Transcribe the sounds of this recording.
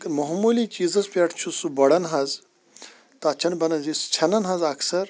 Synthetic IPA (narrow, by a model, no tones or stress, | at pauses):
mɐɦmuːlit͡ʃiːzɐzpʲɐʈʰt͡ʃʰusubɐɽɐnɦɐz | t̪aːt͡ʃʰɐnbɐnɐnzist͡ʃʰɐnɐnɦɐzɐksɐɾ